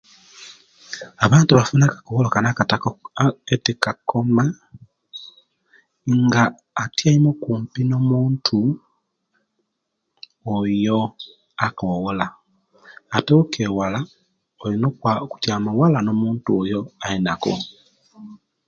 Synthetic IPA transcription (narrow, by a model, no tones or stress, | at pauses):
aβaːntuβafunakḁkowolokanakata | etikakoma | ŋɡaː | tjaimokuːmpino̞muːntʰu | ojo | akowolaː | tokʰewala | olinoku̥tjamuwalano̞muːntuojo̞ainako̰